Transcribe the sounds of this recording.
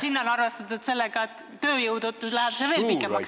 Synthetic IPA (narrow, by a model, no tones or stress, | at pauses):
sinːo̞nɑrvest̪ɑt̪ud̪̥se̞lːeɡ̥ɑet̪ːø̞ːjɤwd̪ot̪ːˑuslæheb̥seve̞ːlpikːˑemɑks